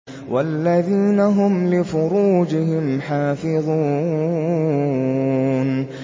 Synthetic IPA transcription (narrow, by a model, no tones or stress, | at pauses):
wʔa̰lːaðiːnaɦʊmlɪfʊɾuːd͡ʒɪhɪmħaːfɪðˤuː | n